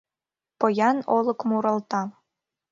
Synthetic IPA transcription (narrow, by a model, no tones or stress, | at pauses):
pɤ̆jɑnolˠɤ̆kmuɾɤ̆lˠt̪ɑ